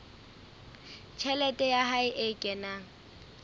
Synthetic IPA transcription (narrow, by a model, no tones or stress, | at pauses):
t͡ʃʰɛlɛtʼɛjahaɪʔekʼɛna